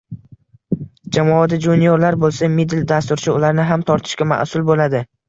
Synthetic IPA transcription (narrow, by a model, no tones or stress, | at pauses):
d͡ʒamɒad̪ad͡ʒunijoɾlaɾbolˠsamid̪ɪld̪ast̪ʊɾt͡ʃʰɪʊlaɾnɪɦamt̪ʰɒɾt̪ʰɪ̥ʃkʲama̰ʔsʊlbolad̪ɪ